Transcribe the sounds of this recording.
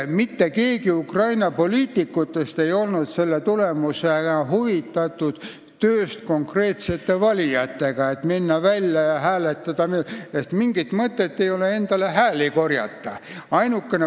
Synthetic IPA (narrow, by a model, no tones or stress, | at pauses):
mit̪ːeke̞ːɡiukrɑjnɑpo̞lʲiːt̪ikːˑut̪ːˑe̞st̪e̞jo̞lnud̪̥se̞lːet̪ulemuseɦuvit̪ːˑɑt̪ːˑud̪̥ | t̪ːøːst̪ko̞ŋkre̞ːt̪se̞t̪ːe̞vɑlʲijɑt̪ːe̞ɡ̥ɑet̪minːɑvælʲːjɑjɑɦæːlet̪ːˑɑd̪̥ɑmeest̪miŋɡit̪mɤt̪ːˑe̞t̪ːe̞jo̞le̞e̞nd̪̥ɑle̞ɦæːliko̞rjɑ̰t̪ːɑɑjnukːˑene